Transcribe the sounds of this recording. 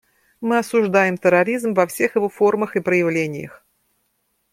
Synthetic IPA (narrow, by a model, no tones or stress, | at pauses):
mɨɐsʊʐd̪ajɪmt̪əɾɐɾʲizmvɐfsʲe̞xjɪvo̞fo̞rməxɨpɾəjɪvlʲenʲɪ̰jə̰x